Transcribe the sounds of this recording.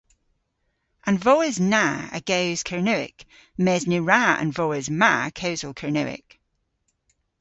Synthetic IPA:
ʔə̃nvɔːɪznaə̰ɡ̥ewz̥kʰəɹnʉɪ̰k | mɛznʉɹaə̰̃nvɔːɪzmakʰəʊzəlˠkʰəɹnʉ̰ɪ̰k

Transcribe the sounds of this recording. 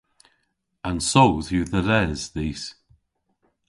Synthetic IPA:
ə̃nsowðuːðəɾɛz̥ðiːs

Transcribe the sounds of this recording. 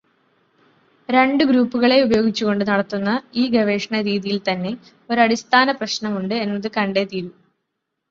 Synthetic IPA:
ɾe̞ɳɖɨɡɾuːpːuɣɐɭe̞ubɐjo̞ːɡit͡ɕːuɣo̞ɳɖɨnɐɽɐt̪ːunːɐiːɡɐʋe̞ːʂɐɳɐɾiːðijilt̪ɐnːe̞ | o̞ɾuɐɽist̪ʰaːnɐprɐɕnɐmuɳɖɨe̞nːɐðɨkɐɳɖe̞t̪iːɾu

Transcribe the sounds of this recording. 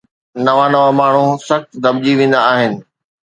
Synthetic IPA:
nɐʋanɐʋamaːɳ̤ũsɐxt̪d̪ɐb̚d͡ʑiʋẽːn̆d̪aːɦɪnɪ̆

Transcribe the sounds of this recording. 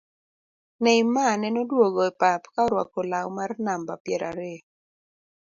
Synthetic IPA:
nɛimanɛnɔdwoɡɔɛpapkaɔɾwa̰kolawmarnambapjɛɾʔa̰ɾe

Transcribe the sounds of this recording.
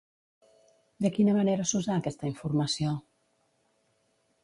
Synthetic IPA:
d̪əkinəməneɾəsuzaːkɛst̪əiɱfuɾməsio

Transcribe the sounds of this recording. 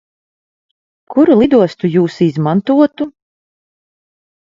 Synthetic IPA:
kuɾulˠid̪uɔst̪ujuːsizmant̪uɔt̪u

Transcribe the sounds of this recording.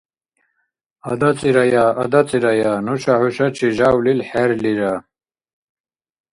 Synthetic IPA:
ɐd̪ɐt͡sʼiɾɐjaːʔɐ̰d̪ɐt͡sʼiɾɐjaːnuɕahuʃɐt͡ʃʰiʒaːwlilħeɾliɾa

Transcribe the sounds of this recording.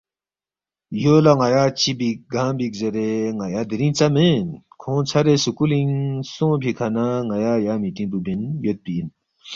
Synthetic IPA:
jolaŋajat͡ɕibiɡaŋbik̚zeɾeŋajad̪eɾiŋt͡samen | kʰoŋt͡sʰaɾeːsukuliŋsoŋpikʰanaŋajajamit̪int̪ubenjøt̪̚piin

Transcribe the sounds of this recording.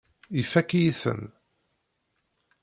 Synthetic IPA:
ifækːijiθə̰n

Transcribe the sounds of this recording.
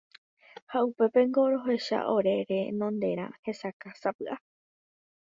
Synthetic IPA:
haupe̞pe̞ŋɡo̞ɾo̞ɦe̞ʃa̰ʔo̞ɾe̞ɾe̞nõnd̪e̞ɾã̰he̞sakasapɨʔa

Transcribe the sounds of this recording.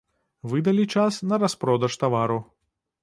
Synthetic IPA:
vɨd̪ɐlʲit͡ʂasnɐɾɐspɾɔd̪ɐʂt̪avaɾu

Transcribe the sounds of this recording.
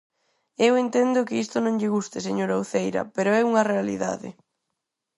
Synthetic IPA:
ewent̪end̪ʊkɪist̪ʊnõŋʎɪɣust̪ɪseɲoɾawθejɾɐ̰peɾʊɛuŋɐrealḭða̰ðɪ̰

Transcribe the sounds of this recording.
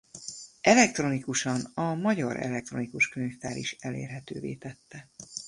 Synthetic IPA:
ɛlɛk̚t̪ro̞nikuʃɒnɒmɒɟɒɾɛ̰lɛk̚t̪ro̞̰nikuʃkynft̪aːɾiʃɛlḛːrɦɛt̪øːveːt̪ɛt̪ːɛ

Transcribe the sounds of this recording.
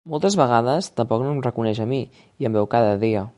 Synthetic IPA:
molˠt̪əzβəɣaðəst̪əmpɔknomrəkunɛʃəmi | iəmbɛwkaðəðiə

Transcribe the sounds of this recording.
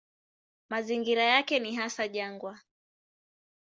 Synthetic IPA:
maziŋɡiɾajakɛniɦasaʄaŋɡwa

